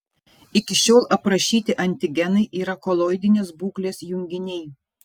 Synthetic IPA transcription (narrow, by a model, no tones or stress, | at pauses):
ɪkʲɪʃʲoːlˠɐpɾɐʃʲiːt̪ʲɪʔɐnʲt̪ʲɪɡʲɛnɐɪʔiːɾɐkɔlˠoːɪd̪ʲɪnʲeːsbuːklʲeːsjʊŋʲɡʲɪnʲɛɪ